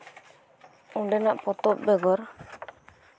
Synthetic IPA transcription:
uɖɛnaʔpɔt̪ɔp̚bɛɡɔɾ

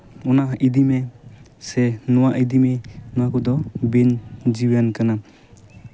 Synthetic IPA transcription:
ɔnaidime | senɔwaʔidimenakudɔbind͡ʒiwjankana

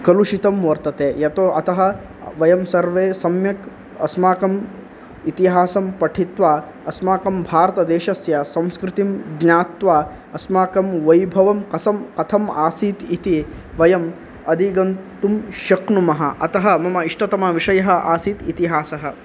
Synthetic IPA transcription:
kɐluʃit̪ɐmʋɐɾt̪ɐt̪eːjɐt̪oɐt̪ɐɦɐ̆ | ʋɐjɐmsɐɾʋeːsɐmjɐk | ɐ̰smaːkɐm | it̪iɦaːsɐmpɐʈʰit̪ʋaː | ɐsmaːkɐmbʱaːɾɐt̪ɐd̪eːʃɐsjɐsɐ̃w̃skɾɪt̪imɡɲaːt̪ʋaː | ɐsmaːkɐmʋɐjbʱɐʋɐmkɐsɐmkɐt̪ʰɐmaːsiːt̪it̪i | ʋɐjɐm | ɐd̪ʱiɡɐnt̪umʃɐknumɐɦɐ̆ʔɐt̪ɐɦɐmɐmɐiʂʈɐt̪ɐmaʋiʂɐjɐɦɐ̆ʔaːsiːt̪it̪iɦaːsɐɦɐ̆

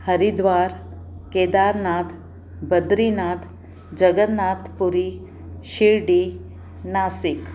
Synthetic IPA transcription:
həɾid̪ʋaːɾ | keːd̪aɾnaːt̪ʰ | bəd̪ɾinat̪ʰ | d͡ʒəɡət̪naːt̪ʰpuɾi | ʃiɾɖi | naːsik

